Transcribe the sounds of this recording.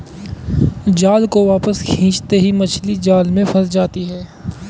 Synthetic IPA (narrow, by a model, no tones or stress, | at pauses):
d͡ʒaːlkoʋaːpəskʰĩːt͡ʃt̪eɦimɐt͡ʃʰlid͡ʒaːlmẽfɐɾsd͡ʒaːt̪iɦɛː